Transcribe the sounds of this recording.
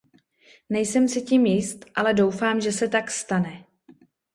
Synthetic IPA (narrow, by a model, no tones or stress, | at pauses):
nɛjsɛmsɪciːmjɪst̪ʔalɛdo̞wfaːmʒɛsɛt̪akst̪anɛ